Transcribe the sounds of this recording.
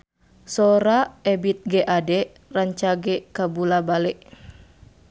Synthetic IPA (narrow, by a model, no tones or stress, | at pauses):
soɾaɛbit̪̚ɡeʔadɛ | raɲt͡ʃaɡɛkabulabalɛʔ